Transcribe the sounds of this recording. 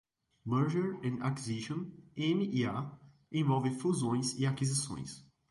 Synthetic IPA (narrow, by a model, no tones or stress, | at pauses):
mɛɾʒeɾẽnakiziʃõnẽmɪʔia | ẽvɔwvɪfuzõj̃sɪakizisõ̰j̃s